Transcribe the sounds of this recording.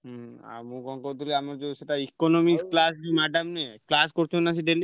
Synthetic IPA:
ɦa̰ɾmũɡɔŋkoɾd̪uliamaɾd͡ʒoseʈaikonomisklasd͡ʒimaɖamneklaskoɾt͡ʃʰonat͡ɕʰiɖeli

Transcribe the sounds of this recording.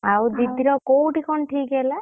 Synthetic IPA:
awd̪id̪iɾɔkowʈikɔɳʈʰikɡɛla

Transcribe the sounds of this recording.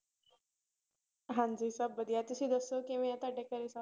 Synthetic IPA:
ɦãnd͡zisabbəd̪jat̪isid̪əsokĩʋãjat̪aɖekəɾesa

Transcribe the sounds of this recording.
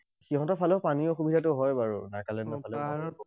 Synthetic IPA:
xiɦɔ̃tɔpʰalɔpaniɔxubʱidʱatʊɦɔjbaɹṵnakalɛndɔpʰalɔa

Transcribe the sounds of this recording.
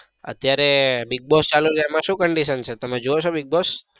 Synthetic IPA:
ə̰t̪jaɾebiɡ̚bɔst͡ʃaluɾɛmãʃũkəɳɖiʃənt͡ʃʰet̪əmed͡ʒoot͡ʃʰobiɡ̚bɔs

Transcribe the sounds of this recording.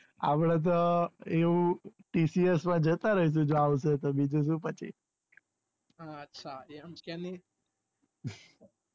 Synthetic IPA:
a̰pɽãt̪̬oeʋũʈisiesmãd͡ʒət̪aɾəɦiʃ̬ũd͡ʒoaʋs̬et̪obʱid͡ʒũʃ̬ũpət͡ʃʰḭ | ətːʃʰaeəmkane

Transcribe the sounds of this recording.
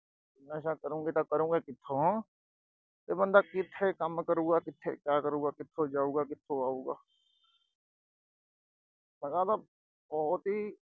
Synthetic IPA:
ɪnaːʃakɐɾũːŋɡet̪akɐɾũːɡekɪt̪ʰːoɦ | t̪ebə̃nd̪akɪt̪ʰːekɐmkəɾũːɡakɪt̪ʰːḛkjaːkəɾũːɡakɪt̪ʰːod͡ʒaːũːɡakɪt̪ʰːoaːũːɡaː | lɐɡat̪a | bɔɦʊt̪ɦi

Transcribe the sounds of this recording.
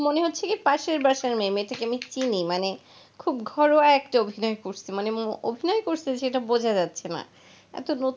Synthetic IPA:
moneɦotːɕʰekepaʃeɾbaʃaɾmemeʈakeamit͡ɕinimane | kʰubɡʱɔɾoaɛkʈaobʱinɔekoɾsʰimaneobʱinɔekoɾsʰiʃeʈabod͡ʑʱad͡ʑatːɕʰena̰ | ɛ̰t̪onot̪

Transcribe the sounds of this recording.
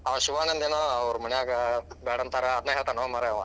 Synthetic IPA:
aʋʃuʋaːnɐnd̪eːnoɐʋɾumɐɳijaːɡɐbɛːɽɐnt̪aɾɐɐd̪neːɦeːɭt̪anomaːɾeɐʋã

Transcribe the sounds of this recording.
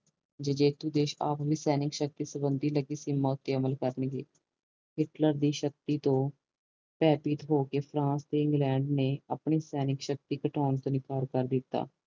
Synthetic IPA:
d͡ʒəd͡ʒeːt̪uːd̪eːʃa̰ːpʋiːsɛːnɪkʃək̚t̪iːsəbənd̪iːləɡiːsimːaːʊt̪ːeːəməlkəɾnɡeː | ɦɪʈləɾd̪iːʃək̚t̪iːt̪õː | pɛːpiːt̪ɦoːkeːpʰɾãːst̪eːɪ̃ŋɡlɛːɳɖneːapɳiːsɛːnɪkʃək̚t̪iːkəʈʰɔːnt̪õːnɪkaːɾkəɾd̪ɪt̪ːa̰ː

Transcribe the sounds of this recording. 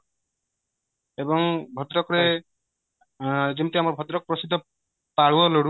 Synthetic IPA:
ebɔŋbʱɔt̪ɾɔkɾe | d͡ʒemt̪iamɔɾbʱɔt̪ɾɔk̚pɾɔsid̪ʱːɔ | paɽuɔloɽu

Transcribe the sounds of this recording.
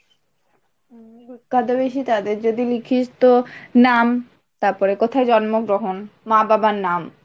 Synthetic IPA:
ibikːad̪obeʃit̪ad̪eɾd͡ʑod̪ilikʰiʃt̪onam | t̪aɾpɔɾekot̪ʰaed͡ʑɔnmoɡɾoɦonmababanam

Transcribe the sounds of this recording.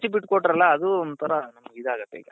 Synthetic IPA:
t͡ʃibiʈːkoʈːɾɐlːɐːd̪uond̪ut̪ʰɐɾɐnɐmːɐid̪aːɡɐt̪ːḛɡɐ

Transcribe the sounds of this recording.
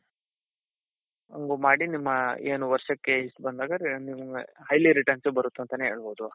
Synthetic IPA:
ɐ̰ŋɡuːmaːɽinimːɐeːnuʋɐɾʂɐkːeisbɐnd̪aːɡɐɾniʋɐŋɡɐhɐjliɾiʈɐɾnsubɐɾut̪ːuɐnt̪ɐneɦe̞ːɭboːd̪u

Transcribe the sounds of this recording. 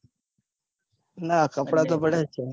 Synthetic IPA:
nakəpɽat̪obəɽat͡ʃʰe

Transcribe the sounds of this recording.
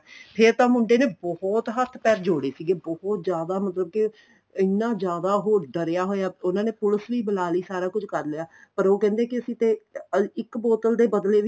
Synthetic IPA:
pʰeɾt̪ãːmʊɳɖeːneːbɔhɔːt̪ɦət̪ʰpɛːɾd͡ʒoːɽeːsiːɡeːbɔɦɔt̪d͡ʒjaːd̪aːmət̪ləb̚kɪ | ɪnːãːd͡ʒjaːd̪aːɦoːɾɖəɾejaːɦoːjaːʊnãːneːpʊləsʋiːbəlaːliːsaːɾaːkʊd͡ʒkəɾleːaːpəɾoːkɛ̃ːnd̪eːkɪəsĩːt̪eːɪkbɔːt̪əld̪eːbəd̪leːʋ

